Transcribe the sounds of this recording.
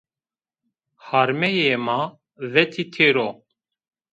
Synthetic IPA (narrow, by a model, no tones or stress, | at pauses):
haɾmɛjeːma | vɛt̪ʰit̪ʰeɾo